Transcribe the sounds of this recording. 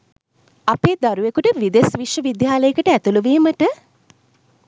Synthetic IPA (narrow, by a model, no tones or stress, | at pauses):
apeːd̪aɾuekuʈəʋid̪esʋiʃjəʋid̪jaːləjəkəʈəæt̪uluʋiːməʈə